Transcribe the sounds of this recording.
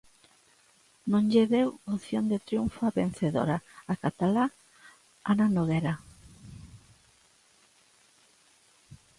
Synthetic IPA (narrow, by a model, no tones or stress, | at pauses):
nõŋʎeβewoθjond̪et̪ɾjuɱfaβen̟θeðo̰ɾaakat̪ala | ananoɣeɾa